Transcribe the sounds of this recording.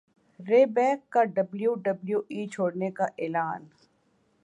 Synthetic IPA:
ɾeːbɛːkːaɖɐbljuːɖɐbljuːʔiːt͡ʃʰoːɽnekaʔeːlaːn

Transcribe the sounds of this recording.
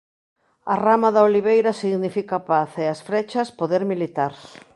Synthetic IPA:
ɐramɐðɐoliβ̞ejɾɐsiɣnifikapaθeɐsfɾɛt͡ʃɐspoðeɾmilit̪aɾs

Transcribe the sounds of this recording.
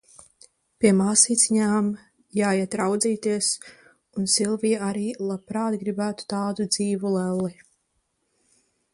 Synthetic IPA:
piɛmaːsiːt̪sʲiɲaːm | jaːjɛt̪ɾawd̪ziːt̪iɛs | unsilˠvijaaɾiːlˠapɾaːt̪ɡɾibæːt̪u̥t̪aːd̪ud̪z̥iːvulɛlˠːi

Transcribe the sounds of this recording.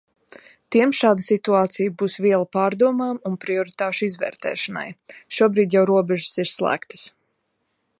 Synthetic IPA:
t̪iɛmʃaːd̪əsit̪uaːt̪sijbuːsviɛlˠapaːɾd̪uɔmaːmunpɾiɔɾit̪aːʃuizvɛ̰ːɾt̪ɛ̰ːʃana̰jʃuɔbɾiːd̪jawɾuɔbɛʒəsiɾslˠæ̰ːkt̪ə̥s

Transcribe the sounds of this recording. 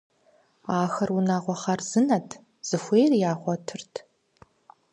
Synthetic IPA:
aːxɐrunaːʁʷɔχɐrz̥ɨnɐtʰ | z̥ɨxʷeːjrjaːχʷɔtʰɨrtʰ

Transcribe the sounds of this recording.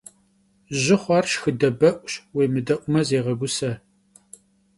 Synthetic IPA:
ʒɪχʷɑrʃxɨdɐbɐʔʷʼɕweːmɨdɐʔʷʊmɐzeːʁɐɡʷʊsɐ

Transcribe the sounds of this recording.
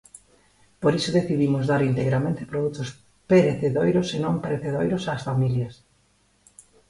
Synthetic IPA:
poɾisoðeθiðimʊzðaɾint̪eɣɾamẽnt̪e̥pɾoðut̪ʊs | peɾeθeðojɾosenõmpeɾeθeðojɾosaːsfamiljɐs

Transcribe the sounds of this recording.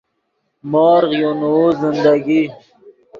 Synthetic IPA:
mɔːɾʁjonoːzɪnd̪aɡi

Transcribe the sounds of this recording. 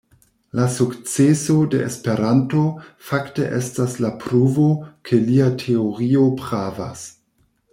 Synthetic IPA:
lasukt͡seso̞dḛespe̞ɾanto̞faktḛʔestaslapɾuvo̞kʰe̞liatʰe̞oɾio̞pɾava̰s

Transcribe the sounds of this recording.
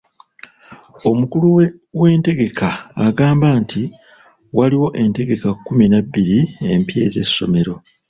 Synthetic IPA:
o̞mukuluwewe̞ːnte̞ɡe̞kʰaːɡaːmbaːntʰi | waliwo̞ʔe̞nte̞ɡe̞kakːuminabːiɾie̞mpje̞̰ːze̞̰sːo̞̰me̞ɾo̞

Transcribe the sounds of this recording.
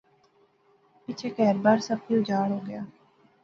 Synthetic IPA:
pɪt͡ʃʰeːkɛːɾbaːɾsəb̚tiːʊd͡ʒaːɽɦoːɡɪjaː

